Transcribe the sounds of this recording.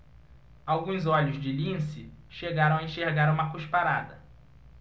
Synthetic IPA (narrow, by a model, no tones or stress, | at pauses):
awɡũzɔʎʊzd͡ʒɪlĩsɪʃeɡaɾɐ̃w̃ɐẽʃeɾɡaɾũmɐkuʃpaɾad̪ɐ